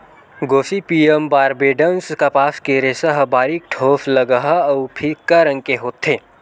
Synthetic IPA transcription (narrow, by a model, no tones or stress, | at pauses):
ɡoːsipiːəmbaːɾbeːɖənskapaːskeɾesɐɦbaːɾik̚ʈʰoːflɐɡəɦaɐwpʰikːɐɾə̃ŋkeɦoːt̪ʰːe